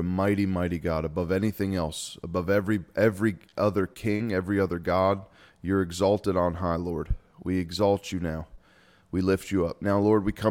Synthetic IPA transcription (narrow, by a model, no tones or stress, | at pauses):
ɨmaɪɾimaɪɾiɡɑɾəbʌvɛniθɪ̃ŋɛlˠsəbʌvɛvɹiʔɛvɹiʔʌðə˞kʰɪ̃ŋɛvɹiʌðə˞ɡɑd̚ | jə˞ɨɡzɔlˠtɨɾn̩ɦaɪlɔɹd̚ | wiɨɡzɔlˠt͡ʃɨnaʊ | wilɪft͡ʃɨʌp̚naʊlɔɹd̚wikʰʌ̃